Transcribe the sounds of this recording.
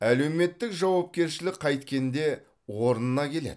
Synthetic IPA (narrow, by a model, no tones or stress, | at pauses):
æle̞wme̞t̪ːɪkʒɑwɑp̚kʲe̞ɾʃɪlɪk̚qʰɑjt̪kʲe̞nd̪e̞ | wo̞ɾənənɑkʲʰe̞lḛd̪